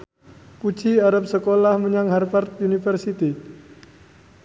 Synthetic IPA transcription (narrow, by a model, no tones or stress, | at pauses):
pu̥d͡ʒiaɾap̚səkolahməɲaŋharfart̪̚unifərsit̪i